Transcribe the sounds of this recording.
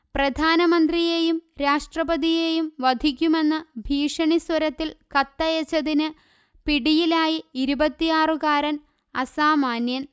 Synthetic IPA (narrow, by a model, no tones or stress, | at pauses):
prɐd̪ʱaːnɐmɐnd̪rijejumɾaːʂʈrɐbɐðijejumʋɐd̪ʱikʲːume̞nːɨbʱiːʂɐɳiswɐɾɐt̪ːilkɐt̪ːɐjet͡ɕːɐðinɨ | piɽijilaːjiiɾubɐt̪ːijaːrɨkaːɾɐn | ɐsaːmaːnjɐn